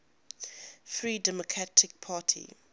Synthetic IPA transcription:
fɹiːdɛmɔkʰɹatʰɪk̚pʰaːtʰḭ

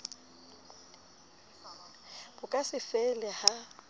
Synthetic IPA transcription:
b̥ʊkʼasɪfɛlɛha

